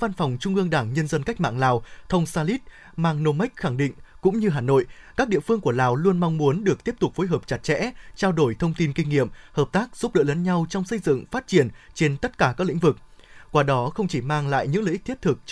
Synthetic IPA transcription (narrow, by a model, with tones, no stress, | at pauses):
va˧nfwŋ͡mt͡ɕʊ˧ŋ͡mʔɨ˧əŋɗaː˧˩ŋɲə˧nzə˧nka˦˥jk̚ma̰ː˧˨ŋlaː˨˩wt̪ʰə˧wŋ͡msaː˧li˦˥t̚ | maː˧ŋno˧ma˦˥k̟̚xa˧˩ŋɗḭ̈˧˨ŋ̟kʊ̰˧˥ŋ͡mɲɨ˧ɦaː˨˩no̰˧˨jkaː˦˥k̚ɗḭ˧˨əfɨ˧əŋku˧˩əlaː˨˩wlu˧ənma˧wŋ͡mmu˨˦ənɗɨ˨˩ək̚t̪i˦˥əp̚t̪ʊ˨˩k͡p̚fo˨˦jɦəː˨˩p̚t͡ɕa˨˩t̚t͡ɕɛ̰˧˥t͡ɕaː˧wɗo˧˩jt̪ʰə˧wŋ͡mt̪i˧nkï˧ŋ̟ːḭ˧˨əmhəː˨˩p̚t̪aː˦˥k̚z̥u˦˥p̚ɗə̰ː˧˥lə˨˦nɲa˧wt͡ɕɔ˧wŋ͡msə˧jzɨ̰˧˨ŋfaː˦˥t̚t͡ɕi˧˩ənt͡ɕe˧nt̪ə˦˥t̚kaː˧˩kaː˦˥klḭ̈˧˥vɨ˨˩k̚kwaː˧˩ɗɔ˨˦xə˧wŋ͡mt͡ɕi˧˩maː˧ŋla̰ː˧˨jɲɨ̰˧˥ŋləː˧˨˦t̪ʰi˥ət̪ʰɨ˨˩k̚